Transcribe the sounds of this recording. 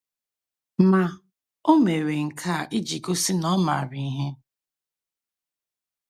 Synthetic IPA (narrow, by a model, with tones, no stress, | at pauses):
ma˨ | o˦me˨ɾe˨ŋ̩˨kʰa˦˨ʔi˦d͡ʒi˨ko˦sɪ˦nɔ˦ma̰˨ɾi˨i˦ɦe˦